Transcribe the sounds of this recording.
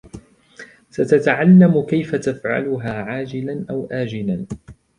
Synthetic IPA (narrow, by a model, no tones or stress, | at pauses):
sat̪at̪aʕalːamʊkajfat̪afʕa̰lʊɦaːʕaːd͡ʒɪlanʔawʔaːd͡ʒɪlan